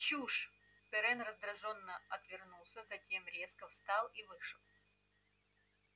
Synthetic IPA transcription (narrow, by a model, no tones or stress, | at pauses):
t͡ɕuʂ | pɛɾɛnrəzd̪ɾɐʐo̞nːəɐt̪vʲɪrnulˠsʲəzɐtʲe̞mɾʲe̞skəfst̪ɑlˠivɨʂəlˠ